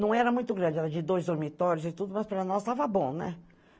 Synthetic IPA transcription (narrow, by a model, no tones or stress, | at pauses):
nɐ̃w̃ɛɾɐmũj̃t̪ʊɡɾɐ̃d͡ʒɪɛɾɐd͡ʒɪd̪ojzd̪oɾmit̪ɔɾjʊzɪt̪ud̪ʊmɐspɾɐnɔst̪avɐbõnɛ̰